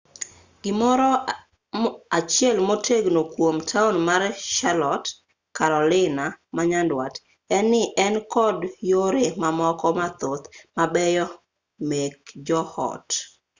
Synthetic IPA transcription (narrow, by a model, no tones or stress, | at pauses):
ɡ̥ɪmɔɾɔ | at͡ʃjɛlmotʰeɡnokwomtʰaunmarʃalɔt | kaɾɔlɪnamaɲandwat | ɛnːɪʔɛnkɔdjoɾemamɔkɔmat̪ot̪mabɛjɔ | mek̚d͡ʒɔhɔ̰t